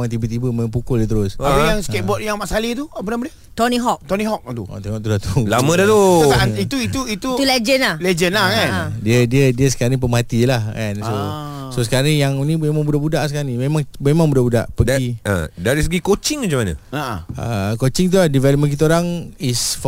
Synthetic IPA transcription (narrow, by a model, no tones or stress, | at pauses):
aŋt̪̬ibət̪̬ibəməpukʊldət̪̬əɾʊsaljaŋset̪̚bɔt̚jaŋmaʔsalit̪uapənaməda | t̪ɔnĩɦɔk̚t̪ɔnĩɦɔk̚t̪uɔ̰t̪eŋɔʔt̪̬ulaht̪ulamə̃dat̪oaait̪uit̪uit̪ut̪uled͡ʒənahled͡ʒənlakandiədiədiəsə̥kanip̬əmat̪ilahkanso | sosəkaɾajaŋnĩmẽmaŋbudaʔbudaʔsəkaɾanimemaŋmemãŋbudaʔbuda̰ʔpədɡiə̰̃daɾisəɡikot͡ʃɪŋmət͡ʃamana̰aə̰kot͡ʃɪŋt̪̬ulahdivɛləp̚mənkit̪əoɾaŋisf